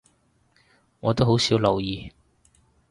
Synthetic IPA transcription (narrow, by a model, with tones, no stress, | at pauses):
ŋɔː˨˧t̪o˥wɦo˨˥wsiː˨˥wlɐ˨wjiː˨˧